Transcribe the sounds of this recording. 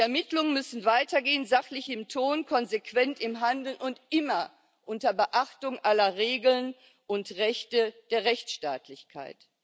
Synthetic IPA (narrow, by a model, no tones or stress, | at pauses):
ɛɐmɪtlʊŋənmʏsn̩vaɪtɐɡeːənzaχlɪçɪmtʰoːnkʰɔnzekv̥ɛntɪmɦandl̩ʊntʔɪmɐ | ʔʊntɐbəʔaχtʊŋʔalɐʁeːɡl̩n | ʔʊntʁɛçtəd̥eːɐʁɛçt͡sʃta̰ːtlɪçkʰa̰ɪt